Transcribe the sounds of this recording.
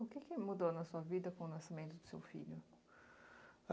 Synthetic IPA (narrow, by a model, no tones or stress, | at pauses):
ʊkɪkɪmud̪ownɐsuɐvid̪ɐkõʊnɐsɪmẽnt̪ʊd̪ɪ̥sḛwfḭʎʊ